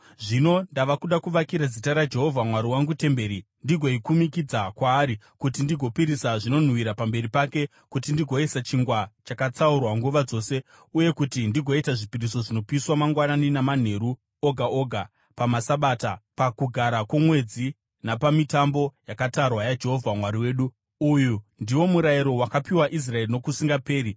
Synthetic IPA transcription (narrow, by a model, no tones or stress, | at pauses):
ʐino̞ndaʋakuɗakuʋakiɾad͡zitaɾad͡ʒe̞ɦo̞vʱamwaɾiwaŋɡute̞mbe̞ɾi | ndiɡʱo̞ikumikid͡zakwaːɾi | kutindiɡʱo̞piɾisaʐino̞n̤wiɾapambe̞ɾipake̞ | kutindiɡʱo̞isat͡ʃiŋɡwat͡ʃakat͡saurwaŋɡuʋad͡zo̞se̞ | uje̞kutindiɡʱo̞itaʐipiɾiso̞ʐino̞piswamaŋɡwananinaman̤e̞ɾu | oɡʱaʔo̞ɡʱa | pamasaɓaːtapakuɡʱaɾakwemwe̞d͡zi | napamitambo̞jakatarwajad͡ʒe̞ɦo̞vʱamwaɾiwe̞ːɗu | ujundiwo̞muɾaiɾo̞wakapiwaʔis̬rae̞rino̞kusiŋɡape̞ːɾi